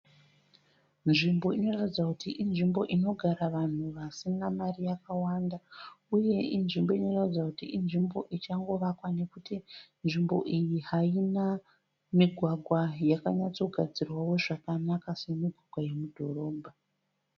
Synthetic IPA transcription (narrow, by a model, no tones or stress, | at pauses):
nʐimbo̞ino̞ratid͡zakutiʔinʐimbo̞ʔino̞ɡʱaɾaʋan̤uʋasinamarijakawandauje̞inʐimbo̞ino̞ratid͡zakutiinʐimbo̞ʔit͡ʃaŋɡo̞ʋakwane̞kutinʐimbo̞̰ʔijiɦaina | miɡʱwaɡʱwajakaɲat͡so̞ɡʱad͡zirwawo̞ʐakanakase̞miɡʱwaɡʱwaje̞mudʱo̞ro̞ːbʱa